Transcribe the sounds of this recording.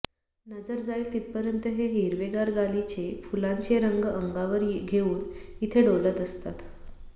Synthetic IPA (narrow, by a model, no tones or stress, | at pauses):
nəd͡zəɾd͡zailt̪it̪̚pəɾjənt̪əɦeɦiɾʋeɡaɾɡalit͡ɕefulaɲt͡ɕeɾəŋɡəŋɡaʋəɾɡʱeuːnit̪ʰeɖolət̪əst̪at̪